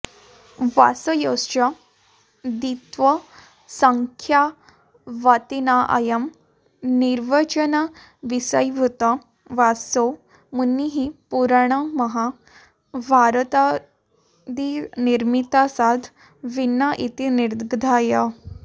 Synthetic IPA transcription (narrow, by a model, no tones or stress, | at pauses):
ʋa̰səjost͡ɕa | d̪it̪ʋə | səŋkʰja | ʋat̪inaʔa̰jəm | niɾʋat͡ɕəna | ʋisəjʋʱut̪a | ʋaso | munːiɦipuɾɳ̃aməɦa | bʱaɾt̪a | d̪iniɾmit̪asad̪ʱ | ʋinaʔit̪iniɾd̪ɡd̪ʱaja